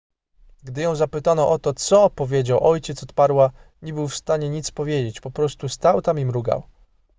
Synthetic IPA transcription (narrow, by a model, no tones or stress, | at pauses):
ɡd̪ɘjɔ̃w̃zapɘt̪anɔʔɔt̪ɔt̪sɔpɔvʲjed͡ʑawʔɔjt͡ɕɛt̪sɔt̪paɾwaɲɛbɘwfst̪aɲɛɲit̪spɔvʲjed͡ʑet͡ɕpɔpɾɔst̪ust̪awt̪amimɾuɡa̰w